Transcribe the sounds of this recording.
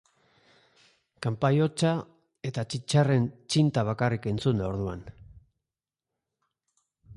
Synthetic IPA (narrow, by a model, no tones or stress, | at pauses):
kampajo̞t͡ʃa | e̞t̪at͡ʃit͡ʃare̞nt͡ʃint̪aβ̞akarike̞nt͡sund̪ao̞ɾðuan